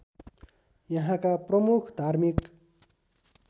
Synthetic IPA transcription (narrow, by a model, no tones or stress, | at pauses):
jʌɦãkaprʌmukʰd̪ʱarmik